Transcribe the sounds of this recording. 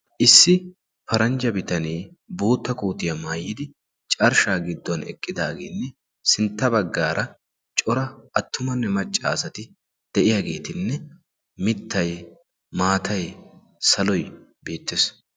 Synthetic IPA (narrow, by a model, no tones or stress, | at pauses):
ʔɪsːɪ | fɐɾɐnd͡ʒɐbɪt̪ɐniː | buːt̪ːɐkuːt̪ɪjɐmaːjːɪd̪ɪ | t͡ʃʼɐɾʃaːɡɪd̪ːɔnɛ̰kʼːɪd̪aːɡeːnːɛ | sɪnt̪ːɐbɐɡːaːɾʔɐ | t͡ʃʼɔɾɐʔɐt̪ːʊmɐnːɛmɐt͡ʃʼːa̰ːsɐt̪ɪ | d̪̥ɛʔɪjaɡe̞ːt̪ɪnːɛ | mɪt̪ːɐj | maːt̪ʰɐj | sɐlɔjbe̞ːt̪ːɪes